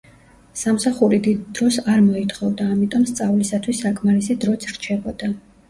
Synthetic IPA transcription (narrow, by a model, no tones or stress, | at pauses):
samsaχuɾid̪id̪̚ːɾɔsaɾmɔit̪ʰχɔvd̪aːmit̪ʼɔmst̪sʼavlisat̪ʰwisːakʼmaɾisid̪ɾɔt̪sʰɾt͡ʃʰɛbɔd̪̥a